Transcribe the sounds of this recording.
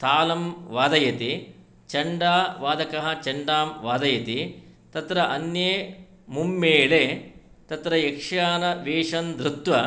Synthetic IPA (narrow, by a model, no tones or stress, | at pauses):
t̪ʰaːlɐmʋaːd̪ɐjɐt̪i | t͡ʃɐɳɖaːʋaːd̪ɐkɐɦɐt͡ʃɐɳɖaːmʋaːd̪ɐjɐt̪i | t̪ɐt̪ɾɐʔɐnje | mumːeːɭeːt̪ɐt̪ɾɐjekʂjaːnɐʋeːʂɐnd̪ɾut̪ʋɐ